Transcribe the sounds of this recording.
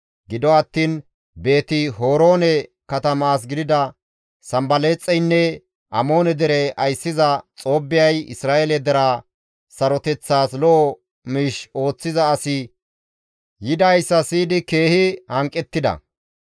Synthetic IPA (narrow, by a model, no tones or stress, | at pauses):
ɡɪd̪ɔɐt̪ːiːn | be̞ːt̪ɪɦo̞ːɾo̞ːnɛkɐt̪ɐmaːs̬ɡɪd̪ɪd̪ɐ | sɐmbɐleːt͡sʼːɛjnːɛ | ʔɐmo̞ːnɛd̪ɛɾɛɐjsːɪzɐt͡sʼo̞ːbːɪjɐjɪ̰sɾaːʔelɛd̪ɛɾa | sɐɾɔt̪ɛt͡sːaːslɔʔɔ | miːʃo̞ːt͡sːɪzɐːsɪ | jɪd̪ɐjsːɐsiːd̪ɪke̞ːhɪhɐŋkʼːɛt̪ːɪd̪ɐ̰